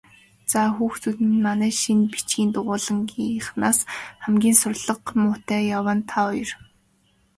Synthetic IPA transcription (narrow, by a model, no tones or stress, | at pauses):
t͡saxuːxt͡sut̪ɘ̆nmanæːʃinpi̥t͡ɕɡiːnt̪ʊʁʊːɮə̆ŋɡiχnaːsχæmɡʲiːnsʊrɮə̆qmʊːt̪æːjawaːnt̪ʰaʊj̆r